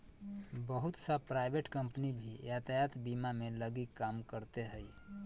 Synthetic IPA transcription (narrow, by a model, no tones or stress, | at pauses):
bəɦʊt̪sapɾaɪbeʈkə̃mpnibʱijat̪ajat̪bimamẽləɡikːaːmkəɾt̪eɦəi